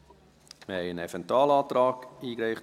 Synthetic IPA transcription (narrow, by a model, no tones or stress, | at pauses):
məhɛɪənɛfɛntwɑːlɑːtɾɑːkiːkɾɛɪχ